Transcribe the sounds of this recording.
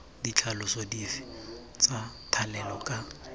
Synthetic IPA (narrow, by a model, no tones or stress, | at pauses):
dit͡ɬʰalʊsodifi̥ | t͡satʰalɛlɔkʼa